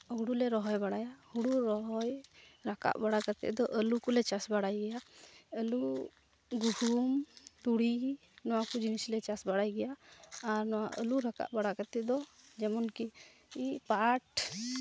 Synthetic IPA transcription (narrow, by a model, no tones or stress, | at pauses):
ɦuɽulɛɾɔɦɔjbaɽajahuɽuɾɔɦɔjɾaka̰ʔbaɽakat̪ɛ̰ʔd̪ɔʔəlukulɛt͡ʃasbaɽajɡɛjaəlu | ɡuhumt̪uɽi | nɔwakud͡ʒinislɛt͡ʃasbaɽajɡɛjaːɾnɔwa̰ʔəluɾaka̰ʔbaɽakat̪ɛʔd̪ɔd͡ʒɛmɔnki | ipaʈ